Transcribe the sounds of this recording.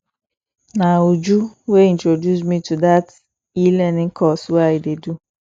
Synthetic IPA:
naod͡ʒuweĩntɹodjusmitudat | ilɛnɪ̃ŋkʰɔsweaɪdedu

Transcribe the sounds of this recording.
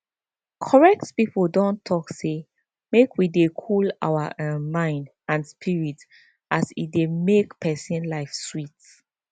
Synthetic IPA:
kʰɔɹɛk̚tpipldɔ̃ntʰɔkse | mekʰwidekʰula̰wa̰ʔmãɪ̃nd | ãnspʰiɹit | ʔasidemekpʰɛsĩnlaɪfswit

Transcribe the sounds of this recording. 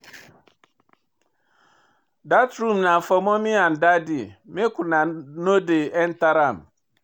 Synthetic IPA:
datɾumnafɔmɔmian̩dadimekunanodeɛn̩taɾam

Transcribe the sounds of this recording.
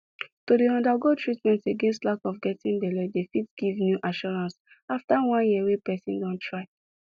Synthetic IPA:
todeɔ̃ndaɡotɹitmɛ̃nteɡɛ̃nstlakɔfɡɛtĩnbɛlɛdefitɡ̥ivnjuʔaʃɔɹãns | aftawãnjiwepɛsĩndɔ̃ntʰɹaɪ

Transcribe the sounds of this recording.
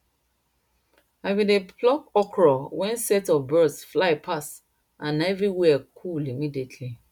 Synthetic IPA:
aɪwideplɔkɔkʰɹɔwɛ̃nsɛtɔvbɜdsflaɪpʰas | ãnɛvɹiwɛkʰulimidetʰli

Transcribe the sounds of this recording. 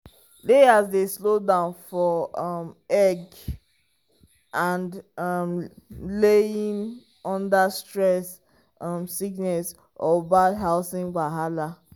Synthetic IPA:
deazdeslodãʊ̃nfɔmɛɡ | ʔãndmleĩn | ɔ̃ndastɹɛs | msiknɛs | ɔbadɦaʊsĩŋbaɦala

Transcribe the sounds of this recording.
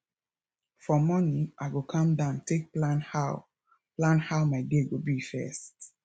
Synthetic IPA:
fɔmɔnĩŋaɪɡokʰãmdãʊ̃ntek̚plãnha | plãnhaʊmaɪdeɡobifɛ̰st

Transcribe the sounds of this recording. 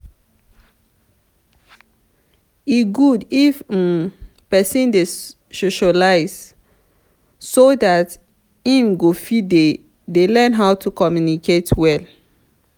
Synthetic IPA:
iɡudif | pɛsĩnde | soʃalaɪz | sodat | ĩmɡofide | delɛ̃nɦaʊtʰukɔmjunikʰetʰwɛl

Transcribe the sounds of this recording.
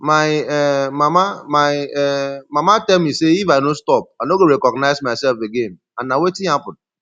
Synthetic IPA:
majɛmamamajɛmamatɛlmiseifajnostɔp̚anoɡoɾɛkɔɡnaɪsmaɪsɛlfeɡen | ãnːawetĩapʊd̚

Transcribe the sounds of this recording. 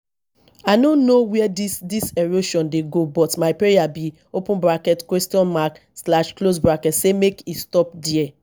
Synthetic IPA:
anõnnowɛɛdisdiseɾoʃɔ̃ndeɡobɔtmaɪpɹejabi | opũnbɾakɛtkwɛstiɔ̃nmak | slaʃklos̬bɾakɛtsemekistɔp̚diɛ

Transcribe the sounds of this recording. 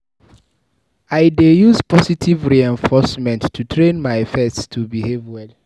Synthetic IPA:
aɪdejuzpɔsitʰivɹiɛ̃ɱfɔsmɛ̃ntːʰutʰɹẽnmaɪɛfɛtstʰubihevwɛl

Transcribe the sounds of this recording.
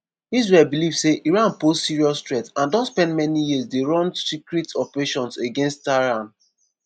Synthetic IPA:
izɹɛlbilivseʔiɹãnpozsiɹiɔstɹɛtãndɔ̃nspɛ̃ntmɛnijiəsdeɹɔ̃ndsikɹitɔpəɹeʃɔ̃nseɡẽnstːaɹãn

